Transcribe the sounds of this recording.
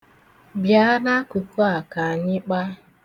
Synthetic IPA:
bja˨˦a˦ɾa˦ku˨ko˦a˨ka˨a˨ɲɪ˦k͡pa˦

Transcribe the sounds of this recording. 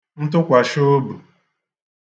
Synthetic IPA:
n̩˦t̬ʊ˦kʷa˨ʃo˦bu˨

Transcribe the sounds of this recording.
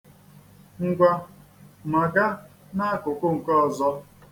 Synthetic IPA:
ŋ̩˦ɡʷa˦ma˨ɡa˦ | na˦a˦kʊ˨kʊ˦ŋ̩˨kɔ˦˨zɔ˦

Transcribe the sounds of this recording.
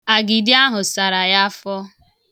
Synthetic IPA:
a˨ɡi˨dɪ˦a˦ɦʊ˨sa˨ɾa˨ja˦fɔ˦

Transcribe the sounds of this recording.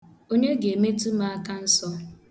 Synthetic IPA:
o˦ɲe˦ɡe˨e˨me˦tu˦ma˦a˦ka˦n̩˦sɔ˦

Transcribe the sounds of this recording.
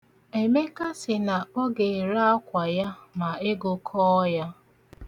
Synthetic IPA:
e˨me˦ka˦sɪ˨na˨ɔ˦ɡe˨ɾa˦a˦kʷa˨ja˦ma˨e˦ɡʊ˨kʰɔ˦ja˦

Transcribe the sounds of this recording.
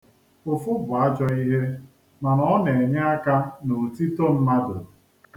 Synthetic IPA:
ʊ˨fʊ˦bʊ˨a˦d͡ʒɔ˦i˦ɦe˦ | ma˨nɔ˦ɔ˦ne˨ɲa˦a˦ka˦no˨ti˦to˦m̩˦ma˦dʊ̰˨

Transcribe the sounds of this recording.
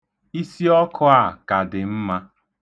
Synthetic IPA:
i˦si˦ɔ˦kʰʊ˦a˨ka˨dɪ˨m̩˦ma˦

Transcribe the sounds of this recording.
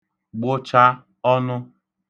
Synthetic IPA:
ɡ͡bʊ˦t͡ʃa˦ | ɔ˦nʊ˦

